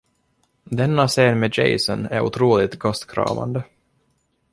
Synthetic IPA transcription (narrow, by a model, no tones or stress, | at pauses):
d̪ɛnːaseːnmed͡ʒɛ̰ɪsɔnæ̰ɾʊ̰t̪ʰɾuːlɪt̪ɡɔst̪kʰɾɑ̰ːva̰nd̪ə